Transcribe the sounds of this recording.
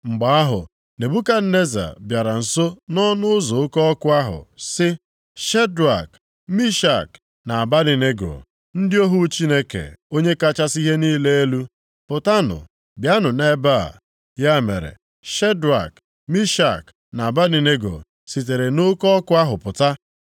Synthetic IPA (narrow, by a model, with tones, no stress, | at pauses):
ŋ͡m̩˨ɡ͡ba˨a˦ɦʊ̰˨ | ne˨bu˦ka˦ne˦za̰˨bja˨ɾa˨n̩˨so˦nɔ˦nʊ˦ʊ˦zɔ˨ʊ˦kɔ˦ɔ˦kʊ˦a˦ɦʊ̰˨sɪ˦ | ʃe˦dwa̰˨k | mi˦ʃa˨k | na˨a˨ba˦ni˨ne˦ɡo̰˨ | n̩˦dɪ˦o˦ɦu˦t͡ʃi˦ne˦kḛ˨o˦ɲe˦ka˦t͡ʃa˦si˦ɦe˦niː˦le˦e˦lu˦ | pʊ˨ta˦nʊ̰˨ | bja˦nʊ˨ne˦ba̰˦˨ | ja˦mḛ˨ɾḛ˨ | ʃe˦dɾa̰˨k | mi˦ʃa˨k | na˨a˨ba˦ni˨ne˦ɡo̰˨ | si˨t̬e˨ɾe˨nʊ˦kɔ˦ɔ˦kʊ˦a˦ɦʊ˨pʊ˨ta˦